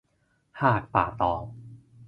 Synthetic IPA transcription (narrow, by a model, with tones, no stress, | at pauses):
haː˨˧˩k̚pa̰ː˨˩t̪ɔː˨˩